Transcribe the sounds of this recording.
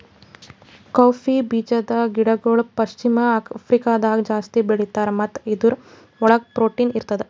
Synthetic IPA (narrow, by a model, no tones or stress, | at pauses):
kaːpʰibiːd͡ʒɐd̪ɐɡiɽɐɡoːɭpɐʃt͡ʃimɐpʰɾikaːd̪aːɡd͡ʒaːst̪ibeɽit̪aːɾmɐt̪ːid̪uɾ | ɔɭɐɡ̚pɾoːʈiniɾt̪ɐd̪e